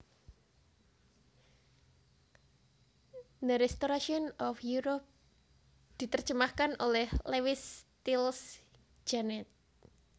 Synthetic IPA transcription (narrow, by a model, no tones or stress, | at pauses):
nəɾɛst̪oɾaʃiɔnɔfjuɾɔp̚ | d̪̥i̤t̪ərd͡ʒəmahkanʔolɛhlewɪst̪ils | d͡ʒ̥anɛt̪̚